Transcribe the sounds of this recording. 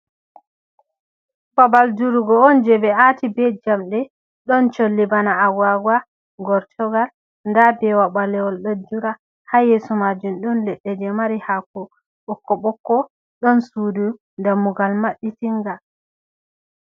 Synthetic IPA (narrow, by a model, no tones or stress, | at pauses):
babalduɾuɡɔɔnd͡ʒɛbɛatibɛd͡ʒamɗɛ | ɗɔnt͡ʃolːibanaːwaɡwa | ɡɔɾtʰɔɡal | ndabɛwaɓalɛwɔlɗɔd͡ʒuɾa | hajesɔmad͡ʒumɗɔnlɛɗːɛd͡ʒɛmaɾihakɔ | ɓɔkːɔɓɔkːɔ | ɗɔnsuːdu | ndamuɡalmaɗːitiŋɡa